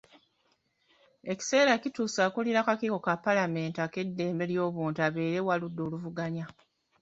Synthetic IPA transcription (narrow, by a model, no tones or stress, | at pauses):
e̞ci̥se̞ːɾacituːsaːkuliɾakakiko̞kapːalame̞ːntake̞dːe̞ːmbe̞ljo̞ːβuːntaβe̞ːɾe̞waludːo̞ːluvuɡaɲa